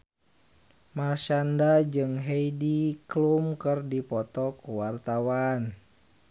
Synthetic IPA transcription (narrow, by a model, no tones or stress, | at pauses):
marʃandad͡ʒɨŋɦeidiklumkɨrdipɔt̪ɔkuwart̪awan